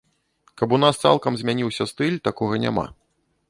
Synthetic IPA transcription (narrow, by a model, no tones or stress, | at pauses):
kɐpun̪ast̪sa̰lˠkɐmzʲmʲanʲiwsʲɐst̪ɨlʲt̪akɔɣɐnʲa̰ma̰